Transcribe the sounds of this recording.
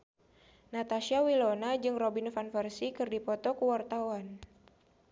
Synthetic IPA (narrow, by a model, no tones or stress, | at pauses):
nat̪aʃiawilonad͡ʒɨŋrobinfanfərsikɨrdipɔt̪ɔkəwart̪awan